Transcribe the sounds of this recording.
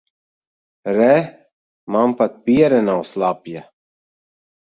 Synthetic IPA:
ɾɛ | mampat̪̚piɛɾɛnawslˠapja

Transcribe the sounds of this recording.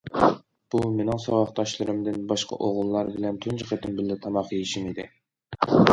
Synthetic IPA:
b̥umenɪŋsɑwɑχt̪ɑʃlˠɨɾɨmd̪ɨnbɑʃqʰɑ̰ʔoʁʊlˠːɑɾbɪlɛnt̪ʰynt͡ʃʰiqet̪ɪnbɪlːɪt̪ʰɑmɑqjeʃimid̪ɪ

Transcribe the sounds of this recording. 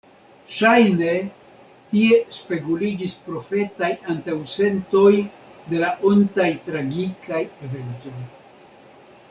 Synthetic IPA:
ʃajne̞ | tie̞spe̞kulid͡ʒispɾo̞fe̞tajantawse̞nto̞j | de̞laʔontajtɾaɡikaje̞ve̞nto̞j

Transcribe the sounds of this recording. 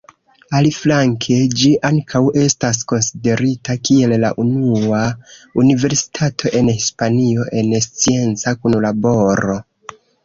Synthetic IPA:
aliflaŋkʰe̞d͡ʒiʔaŋkʰawe̞stas̬ko̞nside̞ɾitakie̞lla̰ʔunuaunive̞ɾsi̥tʰatʰo̞ʔe̞nhispanio̞ʔe̞nst͡sie̞nt͡sakunlabo̞ɾo̞

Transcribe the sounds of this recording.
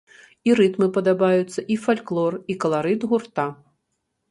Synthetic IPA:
iɾɨt̪mɨpɐd̪abajut̪sːɐʔifalʲklˠɔrikɐlˠaɾɨd̪ɣurt̪a

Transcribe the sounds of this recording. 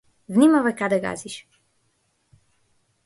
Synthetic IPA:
vnʲimavɛkad̪ɛɡa̰ziʃ

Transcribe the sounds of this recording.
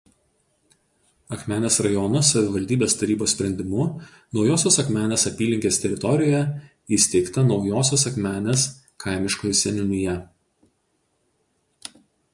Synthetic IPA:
ɐkmʲæːnʲeːsɾɐjɔnʊsɐʋʲɪʋɐlʲd̪ʲiːbʲeːst̪ɐɾʲiːboːsʲpʲɾʲɛnʲd̪ʲɪmʊ | nɒʊjoːsʲoːsɐkmʲæːnʲeːsɐpʲiːlʲɪŋʲkʲeːsʲt̪ʲɛɾʲɪt̪ɔɾʲɪjjɛ | isʲt̪ʲɛɪkt̪ɐnɒʊjoːsʲoːs̬ɐkmʲæːnʲeːs | kʰɑɪmʲɪʃkoːjsʲɛnʲɪnʲʊjɛ

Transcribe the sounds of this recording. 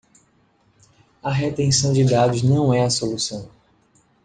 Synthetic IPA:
ɐɦet̪ẽsɐ̃w̃d͡ʒɪd̪ad̪ʊznɐ̃w̃ɛɐsolusɐ̃w̃

